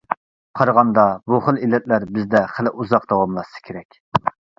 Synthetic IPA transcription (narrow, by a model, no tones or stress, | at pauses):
qʰɑɾʁɑnd̪ɑbuχəlˠilːɛt̪̚læɾbɪzd̪ɛχəlɪʔuzɑqd̪ɑwɑmlˠɑsɨ̥kʲʰeɾɛkʲ